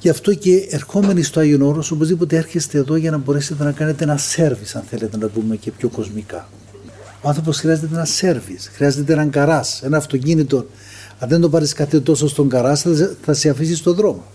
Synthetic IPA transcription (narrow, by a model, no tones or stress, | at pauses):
jɐft̪o̞ce̞ːɾxo̞me̞nist̪oɐʝiono̞ɾoso̞pozðipot̪e̞eɾçest̪e̞ːðo̞ʝɐnɐbo̞ɾeset̪e̞nɐkɐnet̪eenɐse̞ɾvisɐnθe̞let̪e̞nɐpume̞ce̞pço̞ko̞zmikɐ | oɐnθɾoposxɾiɐze̞t̪̬eenɐse̞ɾvisxɾiɐze̞t̪̬eenɐŋɡɐɾɐsenɐːft̪o̞cinit̪̬o̞n | ɐðe̞nd̪o̞pɐɾiskɐθe̞t̪o̞sost̪o̞ŋɡɐɾɐsθɐseɐfisist̪o̞ðɾo̞mo